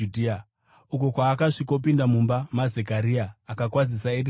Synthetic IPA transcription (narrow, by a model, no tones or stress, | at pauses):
udʱia | uko̞kwaːkaʂiko̞pindamumbamaze̞kaɾiaːkakwazisaiɾi